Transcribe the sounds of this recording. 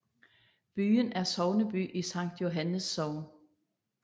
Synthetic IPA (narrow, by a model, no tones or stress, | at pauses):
b̥y̰ːənæɐsɒʊnəb̥y̰ːʔisɑ̈ŋ̰d̥jo̝ɦænəsːɒʊn